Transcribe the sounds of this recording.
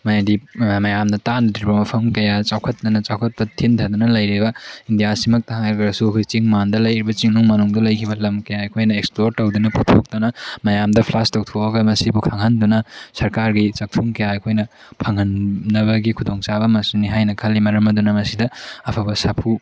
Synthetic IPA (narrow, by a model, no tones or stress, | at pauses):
mɐjadimɐjamdɐtandiɾbɐmɐpʰɐmkɐjat͡ʃawkʰɐt̚nɐnɐt͡ʃawkʰɐt̚pɐtʰintʰɐdunɐlɐjɾibɐindijasimɐk̚t̪ɐɦaŋkɐɾɐsuɐkʰojt͡ʃiŋmandɐlɐjɾibɐt͡ʃiŋnuŋmɐnuŋdɐlɐjkʰibɐlɐmkɐjaɐkʰojnɐeksploɾtɐwdunɐputʰok̚t̪ɐnɐmɐjamdɐpʰlastow̚tʰoɐɡɐmɐsibukʰaŋɦɐndunɐsɐɾkaɾɡit͡ʃɐk̚tʰuŋkɐjaɐkʰojnɐ | pʰɐŋɦɐnːɐβɐɡikʰudoŋt͡ʃabɐmɐsuniɦajnɐkʰɐlːimɐɾɐmɐdunɐmɐsidɐɐpʰɐbɐsapʰu